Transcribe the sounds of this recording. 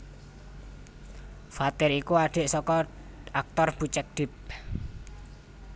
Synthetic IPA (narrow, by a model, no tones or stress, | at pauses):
fat̪ɪɾikuaɖ̥e̤ʔsɔkɔ | ak̚t̪ɔrb̥ṳt͡ʃɛk̚ɖ̥ɪ̤p̚